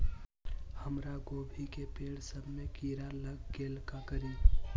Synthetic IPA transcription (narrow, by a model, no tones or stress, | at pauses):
həmɾaɡoːbʱikepeːɽsəbmekiːɾaləɡɡeːlkakəɾiː